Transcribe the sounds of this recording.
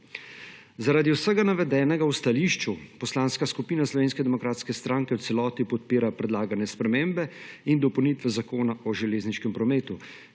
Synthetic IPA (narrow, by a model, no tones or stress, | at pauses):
zaɾaːd̪iwsəɡanaʋɛd̪ɛːnɛɡawst̪aliːʃt͡ʃupɔslaːnskaskupiːnaslɔʋeːnskɛd̪ɛmɔkɾaːt̪skɛst̪ɾaːŋkɛwt̪sɛlɔːt̪ipɔt̪̚piːɾapɾɛd̪laːɡanjɛspɾɛmeːmbɛind̪ɔpɔwnit̪ʋɛzakoːnaʔɔʒɛleːzniʃkɛmpɾɔmeːt̪u